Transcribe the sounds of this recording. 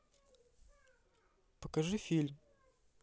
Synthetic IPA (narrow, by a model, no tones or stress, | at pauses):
pəkɐʐɨfʲilʲm